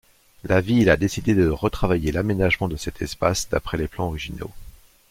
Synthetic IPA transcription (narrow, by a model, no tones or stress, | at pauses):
lavilad̪esid̪ed̪əʁət̪χavajelamenaʒmɑ̃d̪əsɛt̪ʰɛspasd̪a̰pχɛleplɑ̃ɔʁiʒino̰